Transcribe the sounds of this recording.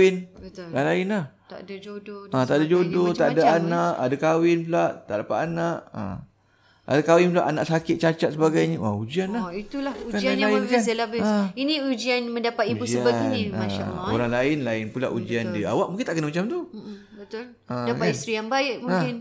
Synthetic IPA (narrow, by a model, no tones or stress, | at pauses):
ɪnət̪lalaɪnah | t̪a̰ʔdad͡ʒodoat̪aʔdad͡ʒodot̪aʔadaanaʔadakawɪnpulaʔt̪a̰ʔdapat̪anaʔə̰ | a̰dakawɪnpulaʔanaʔsakɪt̪̚t͡ʃat͡ʃat̪səbaɡajɲəʔaud͡ʒianlait̪ulahukanalaɪnɡanəlabəainĩud͡ʒianmə̃ndapat̪iusəbainiaao̰ɾaŋlaɪnlaɪnpulaʔud͡ʒiandia̰waʔ̚muŋkɪnt̪aʔkənamat͡ʃamt̪u | bət̪ʊl | ədaaist̪ɾijaŋbaɪʔmuãɪn